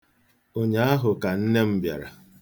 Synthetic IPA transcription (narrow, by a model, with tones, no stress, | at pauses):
o˦ɲa˨˦a˦ɦʊ˨ka˨n̩˦ne˦m̩˦bja̰˨ɾa̰˨